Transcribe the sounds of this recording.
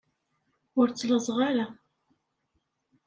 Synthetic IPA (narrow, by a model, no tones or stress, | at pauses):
ʊɾt͡sːləzˤʁaɾa